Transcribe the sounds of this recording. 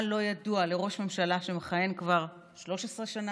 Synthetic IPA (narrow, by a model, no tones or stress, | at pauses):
lo̞jaduale̞ʁo̞ʃme̞mʃalaʃe̞meχaje̞nkvaʁ | ʃlo̞ʃesʁeʃana